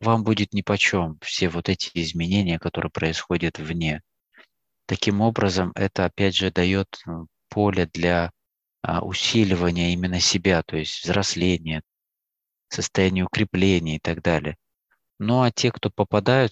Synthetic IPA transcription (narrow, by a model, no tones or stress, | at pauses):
vambudʲɪt̪nʲɪpɐt͡ɕo̞mfsʲe̞vo̞t̪ɛtʲɪɪzmʲɪnʲenʲɪjəkɐt̪o̞ɾɨ̰jəpɾəɪsxo̞dʲɪt̪vnʲe̞ | t̪ɐkʲimo̞bɾəzəmɛ̰t̪əɐpʲædʲʐɨd̪ɐjo̞t̪ | pʰo̞lʲɪd̪lʲa̰ | ʊ̰sʲilʲɪvənʲɪjəimʲɪnːəsʲɪbʲat̪o̞jɪsʲtʲvzɾɐslʲenʲɪjə | səst̪ɐjænʲɪjəʊkɾʲɪplʲenʲɪjəɪt̪ɐɡd̪alʲɪ̰ə | noatʲe̞kt̪o̞pəpɐd̪ajʊt̪̚